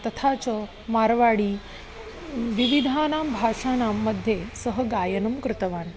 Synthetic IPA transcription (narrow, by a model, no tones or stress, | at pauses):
t̪ət̪ʰat͡sə | maɾʋaɽiː | ʋiʋid̪ʱanambʱaʂanamːəd̪ʱjesəɦəɡajənəmkɾut̪əʋan